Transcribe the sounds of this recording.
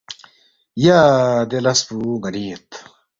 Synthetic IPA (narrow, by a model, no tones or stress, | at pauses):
jad̪elɐspuɡɐniet̪